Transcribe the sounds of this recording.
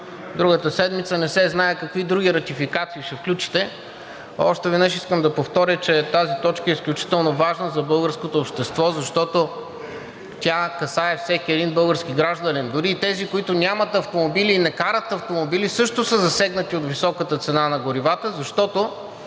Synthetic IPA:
d̪ɾuɡət̪əsɛd̪mit̪sənɛsɛznaɛkɐkvid̪ɾuɡiɾɐt̪ifikat̪siːʃɛfklʲut͡ʃi̥t̪ɛ | ɔʃt̪ɛvɛd̪əʃiskəmd̪ɐpoft̪ɔɾʲjət͡ʃɛt̪azit̪ɔt͡ʃkəɛisklʲut͡ʃi̥t̪ɛlˠnovaʒnəzɐbɤlˠɡəɾskot̪oːpʃt̪ɛst̪vɔzɐʃt̪ɔt̪o | t̪ʲakɐsaɛfsɛkʲiɛd̪inbɤlˠɡəɾsk̟iɡɾaʒd̪ənind̪ʊɾiːt̪ɛzikoit̪ʊnʲamət̪ɐft̪omobiliːnɛkaɾət̪ɐft̪omobilisɤʃt̪osəzɐsɛɡnət̪iot̪visɔkət̪ət̪sɛnanɐɡʊɾivat̪əzɐʃt̪ɔt̪o

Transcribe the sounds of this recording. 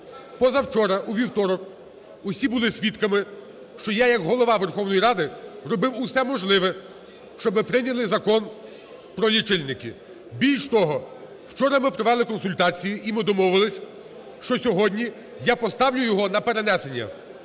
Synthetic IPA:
pɔzɐwt͡ʃɔɾɐʔuʋʲiwt̪ɔɾɔk | ʊsʲibʊlˠɪsʲʋʲit̪kɐmɪ | ʃt͡ʃɔjajɐkɦɔlˠɔʋɑʋerxɔwnɔjiɾɑd̪ɪrɔbɪwʊsɛmɔʒlˠɪʋɛ | ʃt͡ʃɔbɪpɾɪnʲɐlˠɪzɐkɔn | pɾɔlʲit͡ʃɪlʲnɪkɪ | bʲilʲʃt̪ɔɦɔ | wt͡ʃɔɾɐmɪpɾɔʋɛlˠɪkɔnsʊlʲt̪ɑt͡sʲijiʔimɪd̪ɔmɔʋʊʋɪlˠɪsʲ | ʃt͡ʃɔsʲɔɦɔdʲnʲi | japɔst̪ɑwlʲʊjɔɦɔnɐpeɾenɛsenʲːɐ̰

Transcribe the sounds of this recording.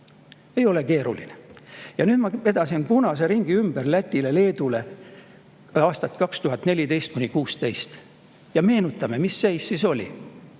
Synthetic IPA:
e̞jo̞le̞ke̞ːɾṵlḭnejɑnyːd̪mɑe̞d̪ɑsinpunɑs̬e̞ɾiŋɡ̥iymb̥erlæt̪ʲːile̞le̞ːd̪ule̞ | ɑːst̪ɑt̪ˑkɑkst̪uɦɑt̪ne̞lʲid̪e̞jst̪̚kunʲikuːst̪e̞jst̪ | jɑme̞ːnut̪ːˑɑme̞misːejsːiso̞lʲḭ

